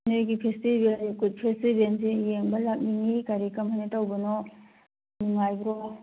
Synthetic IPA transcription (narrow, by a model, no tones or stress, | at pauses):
nojɡipʰestibelnikut̚pʰestibensijeŋbɐlak̚niŋikaɾikɐmhajnɐtɐwbɐnɔ | nuŋajbɾɔ